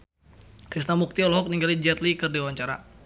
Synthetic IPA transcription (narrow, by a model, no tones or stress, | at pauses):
kɾist̪amuk̚t̪iɔlɔɦɔk̚niŋɡalid͡ʒɛt̪likɨrdiwaɲt͡ʃaɾa̰